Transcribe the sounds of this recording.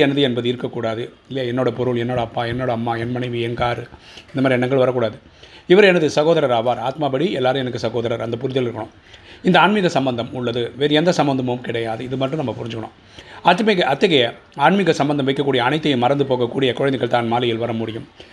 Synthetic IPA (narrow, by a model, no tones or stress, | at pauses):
ɛnɐðɯɛnbɐðɯɪɾɯkːɐkːuːɽaːðɯɪlːeɛnːoːɽɐpɔɾɯɭɛnːoːɽɐɐpːaːɛnːoːɽɐɐmːaːɛnmɐnɐɪʋɯɛnkaːɾɯɪnd̪ɐmaːɾiɛnːɐŋɡɐɭʋɐɾɐkːuːɽaːðɯ | ɪʋɐɾɛnɐðɯsɐɣoːðɐɾɐɾaːʋaːɾaːt̪maːbɐɽiɛlːaːɾɯmɛnɐkːɯsɐɣoːðɐɾɐɾɐnd̪ɐpʊɾɪðɪlɪɾɯkːɐɳõ̰ːm | ɪnd̪ɐaːɳmɪɣɐsɐmbɐnd̪ɐmʊɭːɐðɯʋeːɾɯɛnd̪ɐsɐmbɐnd̪ɐmɯmkɪɽɐjaːðɯɪðɯmɐʈrɯnɐmːɐpʊɾɪɲd͡ʒɯkːɐɳõ̰ː | aːt̪ːɯmɐɣɐʔɐt̪ːɐɣɐjɐ | aːɳmɪɣɐsɐmbɐnd̪ɐmʋɐɪkːɐkːuːɽɪjɐːnɐɪːɐjɯmɐɾɐnd̪ɯpoːɣɐkːuːɽɪjɐkɔɻɐnd̪ɐɣɐɭt̪aːnmaːlɪjɪlʋɐɾɐmʊɽɪjɯm